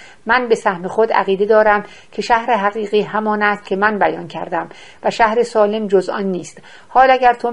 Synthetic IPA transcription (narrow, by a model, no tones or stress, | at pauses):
mænbe̞sæhme̞xod̪æ̰ɣiːd̪e̞d̪ɒːɾæm | cʰe̞ʃæhɾeɦæɣiːɣiːɦæmɒːnæst̪̚cʲʰemænbæjɒːncʰæɾd̪æm | væʃæhɾesɒːle̞md͡ʒozʔɒ̰nːiːst̪ | hɒːlæɟæɾt̪ʰo